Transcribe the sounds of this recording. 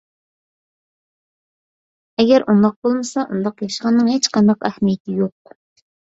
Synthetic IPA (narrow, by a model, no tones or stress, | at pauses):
ɛɡʲɛɾʔund̪ɑq̚bolˠmɨsɑʔund̪ɑqjɑʃəʁɑnːɨŋhet͡ʃqʰɑnd̪ɑqæhmijɪt̪ʰɪjoq̚